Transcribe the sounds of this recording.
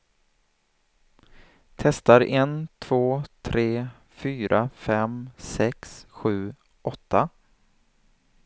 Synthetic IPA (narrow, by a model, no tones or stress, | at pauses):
t̪ʰɛst̪aɾɛnt̪ʰv̥oːt̪ʰɾeː | fyːɾʔafɛmsɛksɧʉ̟ː | ʔɔt̪ːa